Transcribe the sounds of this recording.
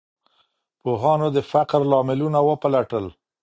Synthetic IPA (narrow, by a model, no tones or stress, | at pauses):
poɦɑnod̪əfaqɾlɑmɪlunawəpalaʈəl